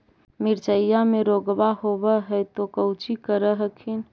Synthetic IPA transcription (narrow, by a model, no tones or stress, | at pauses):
mɪɾt͡ʃəjameɾoɡbaɦobəɦɛt̪okəʊt͡ʃikəɾəɦəkʰin